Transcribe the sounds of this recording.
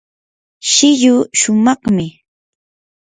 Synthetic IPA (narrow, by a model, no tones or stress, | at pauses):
ʃɪʎʊʃʊmɑχmɪ